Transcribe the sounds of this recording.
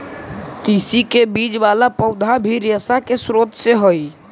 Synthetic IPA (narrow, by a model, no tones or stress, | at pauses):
t̪isikebid͡ʒʋaːlapəʊd̪ʱabʱiɾjəsakesɾoːt̪seɦoi